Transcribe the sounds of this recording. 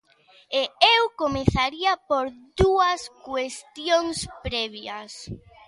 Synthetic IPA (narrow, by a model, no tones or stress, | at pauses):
eewkomeθaɾiɐpoɾduɐskwest̪joŋspɾɛβjɐs